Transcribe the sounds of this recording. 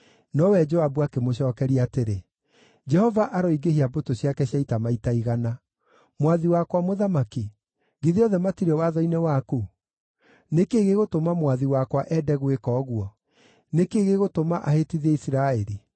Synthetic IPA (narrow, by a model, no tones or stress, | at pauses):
nɔwɛd͡ʒɔabuakemoɕɔːkɛɾiateɾe | d͡ʒɛhɔvaʔaɾɔiɡehiabotoɕjakɛɕjaitamaitaiɣana | mwaðiwakwamoðamaki | ɡiðiɔðɛmatiɾɛwaðɔinewaku | nekeɣeɣotomamwaðiwakwaʔɛdɛɣwekɔːɣwɔ | nekeɣeɣotomaʔahetiðɛisiɾaɛɾi